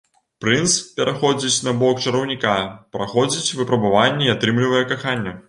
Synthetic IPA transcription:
pɾɨnspʲɛɾʔaxɔd͡zʲit͡sʲnɐbɔkt͡ʂɐɾɐwnʲikapɾaxɔd͡zʲit͡sʲvɨpɾɐbavanʲːɛiat̪ɾɨmlʲivɐjɛkaxanʲːɐ

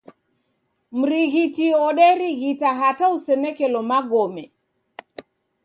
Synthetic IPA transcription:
m̩ɾiɣitiɔɗɛɾiɣitaɦatausɛnɛkɛlɔmaɡɔmɛ

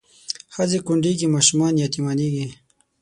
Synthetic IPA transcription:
xazekʊɳɖiɡimɑʃumɑːnjat̪imaniɡi

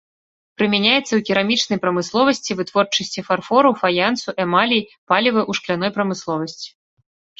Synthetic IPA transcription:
pɾɨmʲɛnʲajɛt̪sːɐwkʲiɾamʲit͡ʂnɐjpɾɐmɨslˠɔvɐsʲt͡sʲivɨt̪vɔrt͡ʂɐsʲt͡sʲifarfɔɾɐwfajant̪suʔɛmalʲijpalʲivɨʔuʂklʲanɔjpɾɐmɨslˠɔvɐsʲt͡sʲi̥

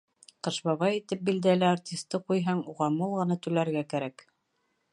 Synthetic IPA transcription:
qɤ̆ʃbɑβɑjit̪ɘp̚bild̪ælæartʲist̪ːɤqujɦɑɴuʁɑmulˠʁɤ̆nɑt̪ʉlæɾɡækæɾæk

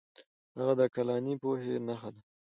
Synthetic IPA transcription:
haɣad̪əkalɑnipohenaxad̪a

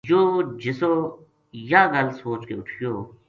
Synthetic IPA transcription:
joːd͡ʒɪsoː | jaɡɐlsoːt͡ʃkeʊʈʰijoː

